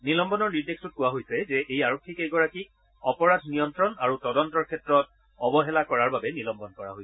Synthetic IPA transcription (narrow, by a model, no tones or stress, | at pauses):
nilɔmbɔnɔɹniɹdekstut̚kʊwaɦojsɛzɛʔejaɹokʰːikeɡɔɹakik | ɔpɔɹadʱnijɔntɹɔnaɹutɔdɔntɔɹkʰɛtɹɔt | ɔbɔɦɛlakɔɹaɹbabɛnilɔmbɔnkɔɹa̰ɦojsɛ̥